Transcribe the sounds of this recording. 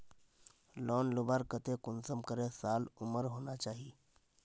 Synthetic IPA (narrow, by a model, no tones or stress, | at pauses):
lɔːnlʊbaːɾkət̪ekʊnsəmkəɾẽsaːlʊməɾɦoːnat͡ʃaːɦi